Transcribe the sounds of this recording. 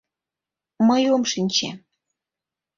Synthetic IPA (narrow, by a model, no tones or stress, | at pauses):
məjomʃinʲt͡ɕḛ